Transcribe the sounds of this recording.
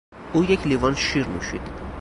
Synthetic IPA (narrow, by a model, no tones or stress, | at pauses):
ujɛkʲʰlivɑnʃiɾnṵʃḭt̪ʰ